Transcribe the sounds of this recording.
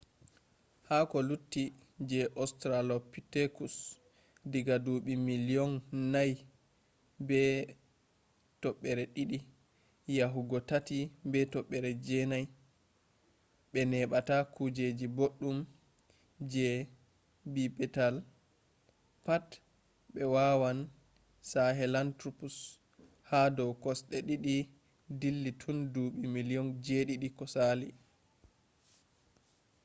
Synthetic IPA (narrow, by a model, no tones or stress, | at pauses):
hakɔlutːi | d͡ʒɛʔɔstɾalɔpitekus | diɡaduɓimiliɔnːaj | bɛ | tɔɓːɛɾɛɗiɗi | jaɦuɡɔtatibɛtɔɓːɛɾɛd͡ʒɛnaj | ɓɛnɛɓatakud͡ʒed͡ʒiboɗːum | d͡ʒɛ | bibɛtal | pat | ɓɛwawan | saɦɛlantɾupus | hadɔwkɔsɗɛɗiɗi | dilːitʰunduɓimilijɔnd͡ʒeɗiɗikɔsaːli